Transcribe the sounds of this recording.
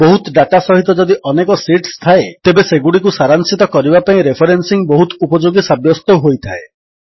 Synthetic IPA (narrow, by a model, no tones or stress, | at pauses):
bɔɦut̪ɖaʈasɔɦit̪ɔd͡ʒɔd̪iʔɔnekɔsiʈst̪ʰaet̪ebeseɡuɽikusaɾansit̪ɔkɔɾibapaĩɾepʰɔɾensiŋbɔɦut̪upɔd͡ʒoɡisabjɔst̪ɔɦojt̪ʰae